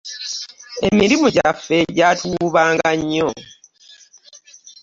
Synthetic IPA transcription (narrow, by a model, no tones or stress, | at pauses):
e̞̰miɾimuɟa̰fːe̞ɟatuːβaːŋɡaɲːo